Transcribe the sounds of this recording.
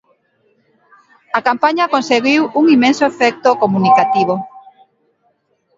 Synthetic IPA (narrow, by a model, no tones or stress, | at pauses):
akampaɲɐkonseɣiwuŋimẽnsoefɛk̚t̪okomunikat̪iβo